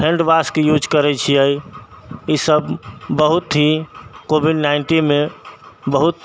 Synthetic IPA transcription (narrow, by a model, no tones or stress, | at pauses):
pʰẽɳɖbaskejud͡ʒkəɾɛt͡ʃʰiəi | isəbbəɦut̪ɦikobʱiɖnaɪɳʈinmebəɦut̪